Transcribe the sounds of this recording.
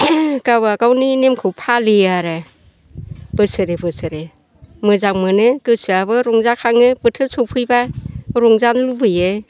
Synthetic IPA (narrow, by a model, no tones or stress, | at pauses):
kabaɡawninemkʰɯwpʰaliaɾɯ | b̥ɯsɯɾebɯsɯɾe | mɯzak̚mɯnɯkɯsɯaβɯɾɔŋzakʰaŋɯbɯtʰɯsʰɔpʰɯjbaɾɔŋzanlubɯjɯ